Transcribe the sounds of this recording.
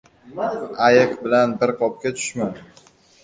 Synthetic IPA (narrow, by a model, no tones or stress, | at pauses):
ajɨqbɪlanbɪɾqʰɒp̚kʲat̪ʰʊ̥ʃman